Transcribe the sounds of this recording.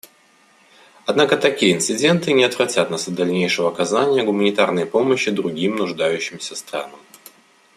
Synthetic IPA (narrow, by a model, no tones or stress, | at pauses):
ɐd̪nakət̪ɐkʲijəɪnt̪sɨdʲe̞nt̪ɨnʲɪɐt̪vɾɐtʲat̪nasɐt̪d̪ɐlʲnʲejʂɨvəɐkɐzanʲɪjəɡʊmənʲɪt̪arnəjpo̞məɕːɪd̪ɾʊɡʲimnʊʐd̪ajʉɕːɪmsʲəst̪ɾa̰nəm